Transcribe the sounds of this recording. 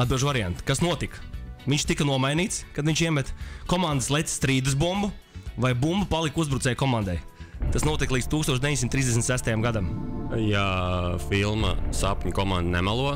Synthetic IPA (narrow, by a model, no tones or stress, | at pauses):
ad̪̚bilˠʒvaɾiant̪kasnuɔt̪ikvʲiɲt͡ʃʃt̪ikɐnuɔmajniːt̪skad̪viɲʲʃiɛmɛt̪kɔmand̪əslˠɛt̪sst̪ɾiːd̪ɨs̬bumbu | vajbumbupalˠikuzbɾut̪sɛːjkɔmand̪ɛjt̪asnuɔt̪iklˠiːd̪t̪uːkst̪uɔʃd̪eiɲʲsimt̪ːɾizd̪esmt̪sæst̪ajamɡad̪amjafilˠmɐ̰sapʲɲʲukɔmãnd̪nɛmalˠuɔ